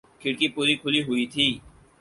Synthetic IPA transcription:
kʰɪɽkipuːɾikʰʊliɦʊit̪ʰiː

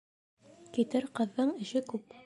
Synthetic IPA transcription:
kit̪ɘɾqɤ̆ðːɤɴɘ̆ʃɘkʉp

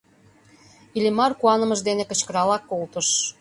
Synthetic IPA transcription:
ilʲimɑrkuɑnə̆mə̆ʒd̪enĕkə̆t͡ɕkə̆ɾɑlɑkːolt̪ə̆ʃ

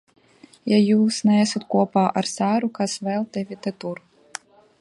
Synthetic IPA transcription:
jajusnɛsut̪kɔpaʔarsaɾukasvɛlˠt̪ɛvʲit̪ɛt̪uɾ

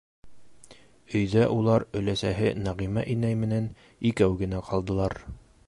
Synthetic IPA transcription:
ɵ̆jðæʔulˠɑɾɵ̆læsæɦɘnæʁimæʔinæjmɘ̆næn | ikæwɡɘ̆næqʰɑlˠd̪ɤ̆lˠɑɾ

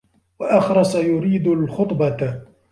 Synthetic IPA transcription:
waʔɑxɾˤɑsˤajʊɾiːd̪alxʊt̪ˤbɑ

